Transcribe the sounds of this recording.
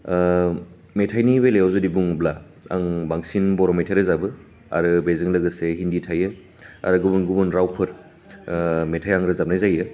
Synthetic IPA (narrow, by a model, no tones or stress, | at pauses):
metʰajnibelejawzudibuŋbla | a̰ŋbaŋsinbɔɾometʰaɾɯzabɯ | a̰ɾɯbezɯŋlɯɡɯseɦinditʰajɯ | a̰ɾɯɡubunɡubɯnɾawpʰɯɾ | metʰajaŋɾɯzap̚najzajɯ